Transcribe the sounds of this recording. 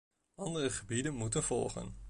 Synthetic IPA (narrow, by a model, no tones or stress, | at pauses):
ɑndərəχəbidənmutənv̥ɔ̰lˠχə̰n